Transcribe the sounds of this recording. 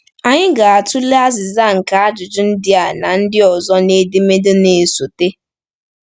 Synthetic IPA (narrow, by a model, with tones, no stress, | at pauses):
a˨ɲɪ˦ɡa˨a˨tʊ˦le˦a˦zɪ˨za˦˨ŋ̩˨ka˨a˦d͡ʒʊ˨d͡ʒʊ˦n̩˦dɪ˦a˨na˨n̩˦dɪ˦ɔ˨zɔ˦ne˦de˦me˦de˦ne˨so˨te˦